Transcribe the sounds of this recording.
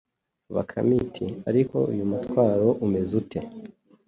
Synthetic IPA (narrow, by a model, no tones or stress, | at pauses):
βa̰kʰa̰mitʰia̰ɾiko̞̰ujumutwaːɾo̞ʔume̞zute̞